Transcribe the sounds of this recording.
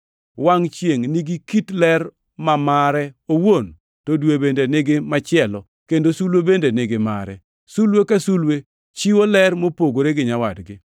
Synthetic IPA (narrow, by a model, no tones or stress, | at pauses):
waŋt͡ʃjeŋniɡikitlɛr | mamaɾɛowon | todwebendenɪɡɪmat͡ʃɪɛlɔ | kendosulwebendenɪɡɪma̰ɾɛ̰ | sulwekasulwe | t͡ʃiwolɛrmopoɡoɾeɡɪɲawadɡɪ